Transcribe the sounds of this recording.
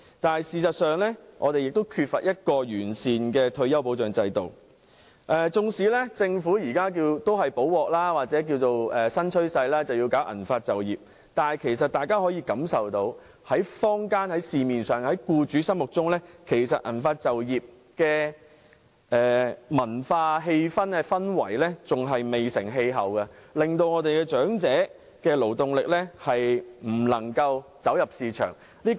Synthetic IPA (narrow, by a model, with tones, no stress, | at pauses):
t̪aː˨nɐ˨jsiː˨˩sɐ˨t̚sœː˨˩ŋlɛː˥ŋʔɔ̰˨˧t̪e˨jɪ˨k̚t̪o˥wkʰyː˧t̚fɐ̰˨t̚jɐ˥t̚kɔː˧jyː˨˩nsiː˨nkɛː˧t̪ʰɵ˧ɥjɐ˥wpo˨˥wt͡ʃœː˨ŋt͡sɐ˧jt̪o˨w | ʔɛː˨t͡sʊ˧ŋsiː˨˥lɛː˥t͡sɪ˧ŋfuː˨˥jiː˨˩kaː˥k̬iː˧wt̪o˥wɦɐ˨jpo˨˥wwɔː˨k̚laː˥waː˨t̚t͡sɛː˨˥k̬i˧wt͡so˨wɛː˨sɐ˥nt͡ʃʰɵ˥ɥsɐ˧jlaː˥t͡sɐ˨wjiː˧wkaː˨˥wʔɐ̰˨˩nfaː˧t̚t͡sɐ˨˩wjiː˨˩p̚ | t̪aː˨n˨jkʰe˨˩jsɐ˨t̚t̪aː˨jkaː˥hɔː˨˥jiː˧kɐ˨˥msɐ˨wt̪o˧w | hɐ˨˥jfɔː˥ŋkaː˥nhɐ˨˥jsiː˨miː˨nsœː˨˩ŋhɐ˨˥jkuː˧t͡ʃyː˨˥sɐ˥mʊ˨k̚t͡sʊ˥ŋlɛː˥kʰe˨˩jsɐ˨t̚ʔɐ̰˨˩nfaː˧t̚t͡sɐ˨wjiː˨p̚ | kɛː˧ | ɛː˨mɐ˨˩nfaː˧ɦe˧jfɐ˥nɛ˧fɐ˥nwɐ̰˨˩jlɛː˥t͡sʊ˨ŋɦɐ˨jme˨jsɪ˨˩ŋɦe˧jɦɐ˨wɡɐ˧lɪ˨ŋt̪o˧wŋɔː˨˧t̪e˨jkɛː˧t͡ʃœː˨˥ŋt͡sɛː˨˥ | kɛː˧lo˨˩wt̪ʊ˨ŋlɪ˨k̚lɛː˥hɐ˨jm̩˨˩lɐ˨˩ŋkɐ˧wt͡sɐ˨˥wjɐ˨p̚siː˨˧t͡ʃʰœ̰ː˨˩ŋ | liː˥